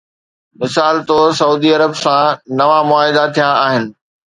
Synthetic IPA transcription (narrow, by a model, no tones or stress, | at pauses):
mɪsaːlt̪osɐuːd̪iɐɾəbsãnɐʋamʊaːɦɪd̪at̪ʰijãaːɦɪnɪ̆